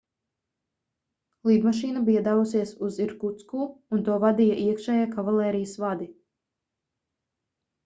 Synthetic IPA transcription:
lˠiːd̪maʃiːnabiɛd̪aːvusiɛsuziɾkut̪skuːunt̪uɔvad̪ijaʔiɛkʃɛːjakavalˠɛːɾijəsvad̪i

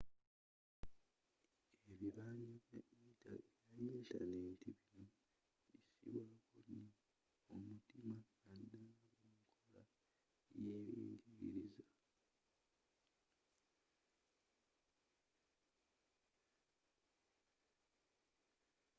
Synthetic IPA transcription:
e̞βiβaːɲoβja̰ʔitʰa̰ijajeːtaneːntʰiβino | βisḭβulakonːo | omutimaː | dauŋkʰola | jejḭːɲɟiɣḭɾiza

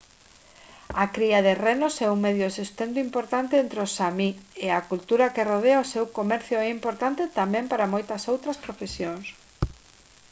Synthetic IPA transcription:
ɐkɾiɐðerenosɛuŋmeðjʊesust̪ent̪ʊimpoɾt̪ant̪eent̪ɾeosamieakult̪uɾɐkeroð̞eaosewkomɛɾθjʊɛimpoɾt̪ant̪ɪt̪amɛ̃mpaɾamojt̪ɐsowt̪ɾɐspɾofesjoŋs

